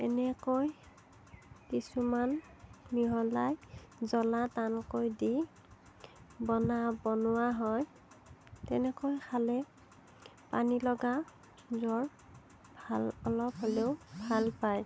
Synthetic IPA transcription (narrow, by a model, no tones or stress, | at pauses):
ɛnɛkoj | kisuman | miɦɔlajzɔlatankojdi | bɔnabɔnʊwaɦɔj | tɛnɛkojxʰalɛ | panilɔɡa | zɔɹ | bʱalɔlɔpɦoleʊbʱalpaj